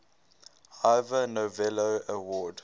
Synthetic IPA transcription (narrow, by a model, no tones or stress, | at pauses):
haɪvənovɛloəwɔːd